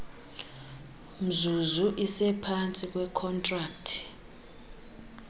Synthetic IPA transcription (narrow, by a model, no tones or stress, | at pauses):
m̩zuzuʔisɛpʰant͡sʼik̬ʼwɛkʰɔntʼraːk̚tʰi̥